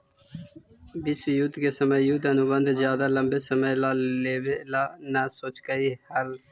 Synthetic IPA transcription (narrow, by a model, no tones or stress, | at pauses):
bɪsjut̪keːsəməjuːt̪ənubə̃nd̪zjaːd̪aːləmbeːsəməjlaːleːʋelaːnaːsoːt͡ʃkəiːhəl